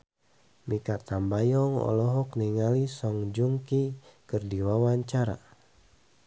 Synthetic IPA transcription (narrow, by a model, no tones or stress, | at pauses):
mikat̪ambajɔŋɔ̰lɔɦɔkniŋalisɔŋd͡ʒuŋkikɨrdiwawaɲt͡ʃaɾa̰